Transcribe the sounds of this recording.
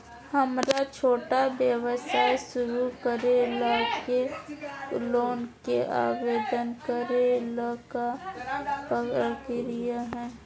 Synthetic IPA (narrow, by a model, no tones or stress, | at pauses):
həmɾat͡ʃʰoːʈabjəwəsaːjsʊɾukəɾelaːke | loːnkeʔa̰ːʋeːd̪ənkəɾelaːka | pəəkeɾijaɦɛː